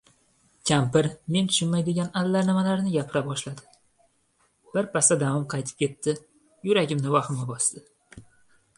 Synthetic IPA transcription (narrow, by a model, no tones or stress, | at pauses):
kʲʰampɪɾme̞nt̪ʰʊ̥ʃɪnmajd̪ɪɡʲanad̪lːaɾnɪmalaɾnɪɡʲapʰɪɾabɒʃlad̪ɪ | b̥ɪɾpʰasad̪avɒmqʰɑjt̪ʰɪ̥p̚kʲʰe̞t̪ʰːɪ | jʊɾaɡʲɪmnɪvaχɪmabɒsd̪̥ɪ